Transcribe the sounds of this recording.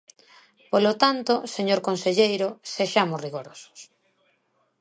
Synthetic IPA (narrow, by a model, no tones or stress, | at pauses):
polot̪ant̪oseɲoɾkonseʎejɾʊseʃamʊsriɣoɾosʊ̥s